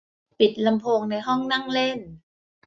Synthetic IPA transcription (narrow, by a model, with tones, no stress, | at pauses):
pi˨˩t̪̚la˧mpʰoː˧ŋna˧jɦɔ˥˩ŋna˥˩ŋle˥˩n